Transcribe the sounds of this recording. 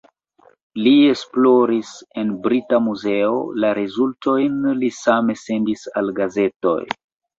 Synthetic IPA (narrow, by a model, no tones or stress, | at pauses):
lie̞splo̞ɾise̞nbɾitamuze̞o̰laɾezulto̞jnlisame̞se̞ndisalɡaze̞to̰j